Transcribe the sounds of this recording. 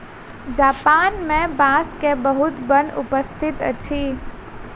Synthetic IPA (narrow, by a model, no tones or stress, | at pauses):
d͡ʒaːpaːnmẽbaskebəɦut̪bənṵpəst̪ʰit̪ə̰t͡ʃʰi